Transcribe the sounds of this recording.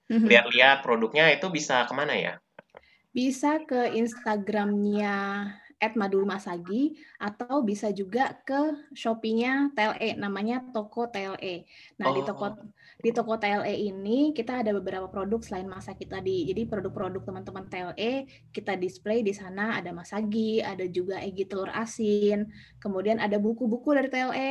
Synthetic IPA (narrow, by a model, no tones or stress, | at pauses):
m̩liat̪liat̪̚pɾodʊk̚ɲait̪ubisakəmanaja̰ | bisakəinst̪aɡɾamɲa | ɛt̪̚madumasaɡiʔat̪awbisad͡ʒuɡakəʃopiŋɲat̪eɛlʔenamaɲat̪okot̪eɛlʔenahdit̪okɔ | dit̪okot̪eɛlʔeʔinikit̪aːdabəbəɾapapɾodʊk̚səlaɪnmasakit̪adid͡ʒadipɾodʊk̚pɾodʊk̚t̪əmant̪əmant̪eɛlʔe | kit̪adisplejdisanaːdamasaɡiadad͡ʒuɡaʔeɡit̪əlʊra̰sɪn | kəmudianadabukubukudaɾit̪eɛlʔe